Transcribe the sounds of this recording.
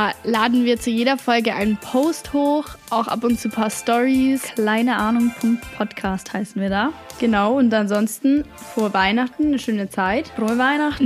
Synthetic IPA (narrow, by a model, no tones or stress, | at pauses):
daːlaːdn̩viːɐt͡sujeːdɐfɔlɡəʔa̰ɪnənpʰoʊsthoːxʔaʊxʔa̰pʊnt̚t͡suːpʰaːɐstɔʁiskʰlaɪnəʔaːnʊŋfɔnpʰɔtkʰaːsthaɪsn̩viːɐdaːɡ̥ənaʊʊntanzɔnstn̩foːɐvaɪnaχtn̩nəʃøːnət͡saɪtʁovaɪnaχtn̩